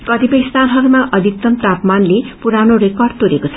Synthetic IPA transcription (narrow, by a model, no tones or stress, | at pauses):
kʌt̪ipʌjst̪ʰanɦʌɾumaʔʌd̪ʱik̚t̪ʌmt̪apmanlepuɾanoɾekʌrd̪t̪oɾekot͡sʰʌ